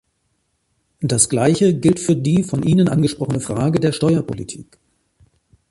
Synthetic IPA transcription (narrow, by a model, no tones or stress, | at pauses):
d̥asɡ̥laɪçəɡɪltfyːɐdiːfɔnʔiːnənʔanɡəʃpʁɔχənəfʁ̥aːɡədeːɐʃtɔʏɐpʰo̰lḭtʰi̥̰ːk